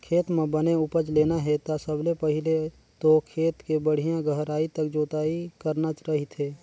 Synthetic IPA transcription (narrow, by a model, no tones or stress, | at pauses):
kʰeːt̪mẽbəneʊpəd͡ʒleːnaɦɛt̪asəblepɐɦɪle | t̪okʰeːt̪kebəɽ̤ijãɡəɦɾaːit̪ək̚d͡ʒoːt̪aːikəɾnat͡ʃɾɐɦit̪ʰeː